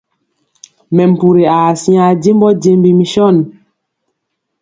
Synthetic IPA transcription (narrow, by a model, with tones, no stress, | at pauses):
mɛ˨m̩˨pu˨ɾe˨a˨si˦a˨de˦m˦bɔ˦ɟe˦mbi˦˨mi˨ʃɔ˦˨n˨